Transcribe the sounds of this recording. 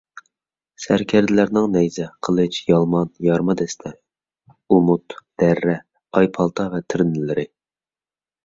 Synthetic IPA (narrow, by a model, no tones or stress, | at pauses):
sæɾkʲʰæɾd̪ɪlæɾnɪŋnɛjzɛqʰəlˠɨt͡ʃjɑlˠmɑnjɑɾmɑd̪ɛst̪ʰɛ | umut̪d̪̥ɛɾːɛ | ɑjpʰɑlˠt̪ʰɑvɛt̪ʰɪɾnɪlɪɾɪ